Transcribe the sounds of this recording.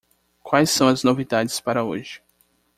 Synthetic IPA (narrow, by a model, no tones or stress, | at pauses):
kwajsːɐ̃w̃ɐznovid̪ad͡ʒɪspaɾɐoʒɪ